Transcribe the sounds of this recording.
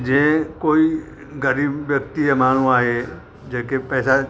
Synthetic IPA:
d͡ʒẽkoːi | ɡəɾiːbjəkt̪iemaːɽ̤̃ũaːɦe | d͡ʒeːkepɛːsa

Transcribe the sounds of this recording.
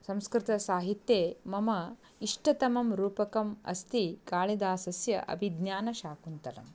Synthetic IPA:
sɐ̃mskɾɪt̪ɐsaːɦit̪jeːmɐmɐ | iʂʈɐt̪ɐmɐmɾuːpɐkɐmɐ̰st̪ikaːɭid̪aːsɐsjɐ̰ʔɐ̰bʱid̪njaːnɐʃaːkunt̪ɐlɐ̰m

